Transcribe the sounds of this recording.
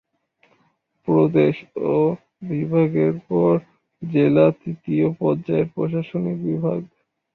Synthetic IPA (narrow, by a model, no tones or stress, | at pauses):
pɾod̪eʃo | bibʱaɡeɾpɔɾ | d͡ʑelat̪ɾit̪iopɔɾd͡ʑaeɾpɾoʃaʃonikbibʱa̰ɡ